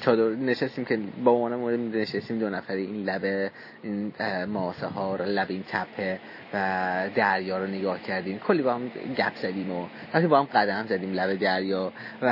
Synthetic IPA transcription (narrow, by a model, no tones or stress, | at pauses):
t͡ʃʰɒːd̪oɾneʃest̪iːmcʰebeomɒːnemoɾed̪imneʃest̪iːmd̪onæfæɾeiːnlæbe | iːnmɒːsehɒːɾlæbint̪ʰæpʰːe | væd̪æɾjɒːɾoneɡɒːhcʰæɾd̪iːmkʰolːiːbɒːhæmɟæpʰz̥æd̪iːmoɾæpt̪ʰibɒːhæmɢæd̪æmzæd̪iːmlæbed̪æɾjɒːvæ